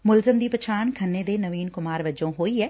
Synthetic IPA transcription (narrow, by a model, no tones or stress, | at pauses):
mʊlzəmd̪iːpət͡ʃʰaːɳkʰɐnːeːd̪eːnɐʋiːnkʊmaːɾʋɐd͡ʒõːɦoːiɛː